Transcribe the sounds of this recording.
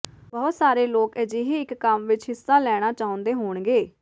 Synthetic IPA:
bɔːt̪saːɾeːloːkɛd͡ʒeɦeːɪkːəmʋɪt͡ʃɦɪsːaːlɛːɽ̃aːt͡ʃaːʊ̃nd̪eːɦoːɳɡeː

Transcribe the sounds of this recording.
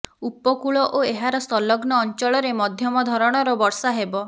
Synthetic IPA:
upɔkuɭɔʔoeɦaɾɔsɔlɔɡnɔːnt͡ʃɔɭɔɾemɔd̪ʱjɔmɔd̪ʱɔɾɔɽ̃ɔɾɔbɔɾsaɦebɔ

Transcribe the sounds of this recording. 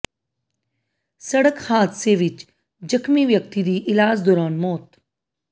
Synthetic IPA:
sɐɽəkhaːd̪seʋɪt͡ʃ | d͡ʒəxmiʋjək̚t̪id̪iːʔɪlaːd͡ʒd̪ɔːɾaːnmɔːt̪

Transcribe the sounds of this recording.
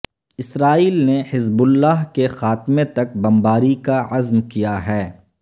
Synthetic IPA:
ɪsɾaːiːlnehɪzbʊlːaːɦkexaːt̪met̪ɐk̚bɐmbaːɾikaɐzmkijaɦɛː

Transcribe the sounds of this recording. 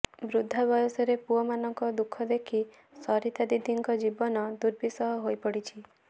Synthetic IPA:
bɾud̪ʱːabɔjɔsɔɾepuɔmanɔŋkɔd̪ukʰːɔd̪ekʰi | sɔɾit̪ad̪id̪ʱiŋkɔd͡ʒibɔnɔd̪uɾbʱisɔɦɔɦojpɔɽit͡ʃʰi

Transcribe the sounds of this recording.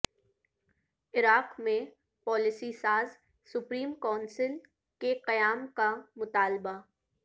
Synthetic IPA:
ɪɾaːqmẽ | pɔːlɪsisaːz | sʊpɾiːmkɔːnsɪl | keqɐjaːmkamʊt̪aːlba

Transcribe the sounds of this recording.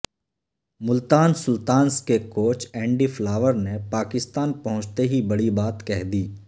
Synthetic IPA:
mʊlt̪aːnsʊlt̪aːnskekoːt͡ʃɛ̃ːɳɖiflaːʋəɾnepaːkɪst̪aːnpɐɦʊ̃t͡ʃt̪eɦibɐɽibaːt̪kɛɦd̪iː

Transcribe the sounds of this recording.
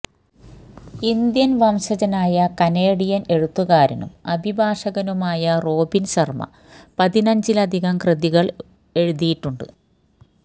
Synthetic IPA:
ind̪jɐnʋɐmɕɐd͡ʑɐnaːjɐkɐneːɽijɐne̞ɻut̪ːuɣaːɾɐnṵmɐbʱibʱaːʂɐɣɐnumaːjɐro̞ːbinɕɐrmɐ̰ | pɐðinɐɲd͡ʑilɐd̪ʱiɣɐmkrɨðiɣɐɭ | e̞ɻuðijiʈːuɳɖɨ̰

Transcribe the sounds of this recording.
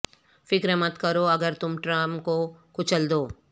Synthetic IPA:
fɪkɾemɐt̪kɐɾoɐɡəɾt̪ʊmʈɾamkokʊt͡ʃəld̪oː

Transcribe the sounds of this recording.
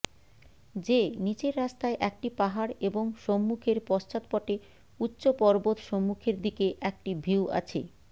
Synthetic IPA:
d͡ʑenit͡ɕeɾːast̪aeʔɛk̚ʈipaɦaɾeboŋʃomːukʰeɾpɔst͡ɕat̪̚pɔʈe | utːɕopɔɾbot̪ʃɔmːukʰeɾd̪ikeʔɛk̚ʈibʱiwa̰t͡ɕʰḛ

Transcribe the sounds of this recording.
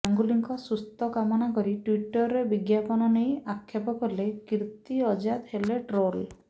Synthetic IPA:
aŋɡuliŋkɔsust̪ɔkamɔnakɔɾiʈwiʈɔɾːebiɡjapɔnɔnejakʰːjapɔkɔɾlekɾt̪iɔd͡ʒad̪heleʈɾol

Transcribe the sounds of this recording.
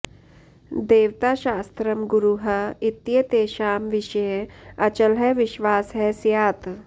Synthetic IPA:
d̪eːʋt̪aʃaːst̪ɾɐmɡuɾuɦɐit̪ːjɐt̪eːʃaːmʋɪʃəjeɐt͡ʃɐlɦɛʋɪʃʋaːsɦɛsjaːt̪

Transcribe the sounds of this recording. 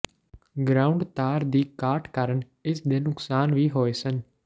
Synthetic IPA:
ɡɾaːʊɳɖt̪aːɾd̪iːkaːɾʈkəɾəɳ | ɪsd̪eːnʊksaːnʋiːɦoːeːsən

